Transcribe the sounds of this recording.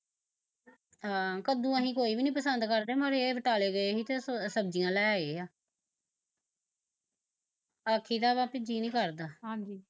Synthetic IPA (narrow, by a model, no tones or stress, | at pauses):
ɦãːkəd̪ũːəɦĩːkoːiːbiːnĩːpəsənd̪kəɾd̪eːməɾeːʋəʈaːleːɡəeːɦiːt̪eːsəb̚d͡ʒɪjãːlɛːeːaː | aːkʰiːt̪aːpãːpɪd͡ʒiːnĩːkəɾd̪aːɦãːd͡ʒiː